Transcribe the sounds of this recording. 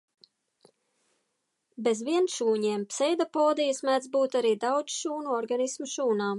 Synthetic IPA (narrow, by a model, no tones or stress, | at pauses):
bezvʲiɛnʃuːɲɛɛmpsɛjd̪apoːd̪ijsmæd̪zbuːt̪aɾiːd̪awd̪zʃuːnuɔɾɡanismuʃuːnaː